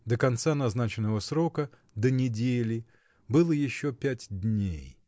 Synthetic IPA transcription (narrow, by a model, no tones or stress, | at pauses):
d̪əkɐnt̪sanɐznat͡ɕɪnːəvəsɾo̞kə | d̪ənʲɪdʲelʲɪ | bɨlˠəjɪɕːopʲætʲdʲnʲej